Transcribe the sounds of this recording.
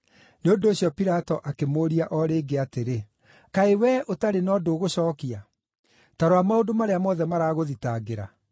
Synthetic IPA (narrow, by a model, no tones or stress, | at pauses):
neondoːɕjɔpiɾatɔʔakemoːɾiaʔɔɾeːɡeateɾe | kaewɛʔotaɾenɔːdoːɣoɕɔːkia | taɾoamaodomaɾeamɔːðɛmaɾaːɣoðitaɡeɾa̰